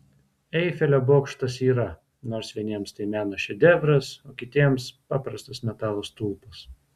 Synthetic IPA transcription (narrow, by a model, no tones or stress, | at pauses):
ɛɪfʲɛlʲoboːkʃt̪ɐsiːɾɐ | noːɾsʋʲiɛnʲiɛmst̪ɐɪmʲæːnɐʃʲɛd̪ʲɛʋɾɐsoːkʲɪt̪ʲiɛmspɑːpɾɐst̪ɐsmʲɛt̪ɑːlˠoːst̪ulˠpɐs